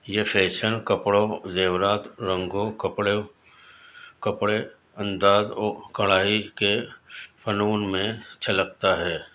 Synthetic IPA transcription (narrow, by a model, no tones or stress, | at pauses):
jefʰeːʃənkəpɽozeːʋɾaːt̪ɾə̃ŋɡokəpɽe | kəpɽe | ɐ̃nd̪aːzɔːkɐɭaːɦikefʰənuːnmẽt͡ʃʰɐləkt̪aɦɛː